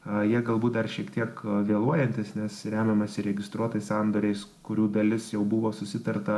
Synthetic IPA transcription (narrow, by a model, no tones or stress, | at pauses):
jiɛɡɐlˠbuːt̪̚d̪ɐrʃʲiɛkt̪ʲiɛkʋʲeːlˠuɔjɛnʲt̪ʲɪsnʲɛsɾʲæːmʲɛmɐsʲɪɾʲɛɡʲɪst̪ɾuɔt̪ɐɪsɑnd̪oːɾʲɛɪskʊɾʲuːd̪ɐlʲɪsjɛʊbʊʋoːsʊsʲɪt̪ɐrt̪ɐ